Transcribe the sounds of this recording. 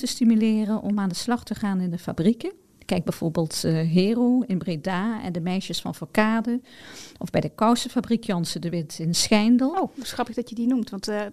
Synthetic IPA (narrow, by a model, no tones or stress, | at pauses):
təstimylɪːrənʔɔmaːndəslɑχtəχaːnɪndəfa̰brikə | kɛjɡ̚bɛjv̥oːɹbɪːlˠtɦeːrowɪnbredaːɛ̰ndəmɛjʃəsfɑnfɔɹkaːdəʔɔvbɛjdəkɔwsəfabrikʰjɑnsədəʋɪtɪnsxɛjndəlˠowsxrɑpɪɡdɑtjədinumtʋɑnt